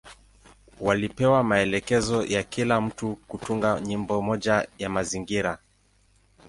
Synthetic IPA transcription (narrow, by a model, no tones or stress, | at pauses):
walipɛwamaɛlɛkɛzɔjakilam̩tukutuŋɡaɲimbɔmɔʄajamaziŋɡiɾa